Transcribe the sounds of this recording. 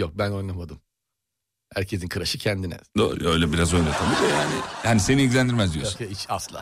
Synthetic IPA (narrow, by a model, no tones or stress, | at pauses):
jok̚bæno̞jnˠamad̪ɯm | hæɾcʰe̞sinkʰɯɾaʃɯcʰɛnd̪inɛ̰d̪o̰ːɾṵø̞jlʲɛbiɾazo̞jnat̪ʰamid̪iojaːnɪ̰jaːniseniɟʲlʲænd̪iɾmɛzd̪ijosujait͡ʃaslˠa̰ː